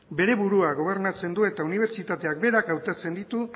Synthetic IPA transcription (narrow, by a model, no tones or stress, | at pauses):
be̞ɾe̞βuɾuaɣo̞β̞e̞ɾnat͡se̞nd̪ue̞t̪auniβ̞e̞ɾt͡ʃit̪at̪e̞ak̚be̞ɾakawt̪at͡se̞nd̪it̪u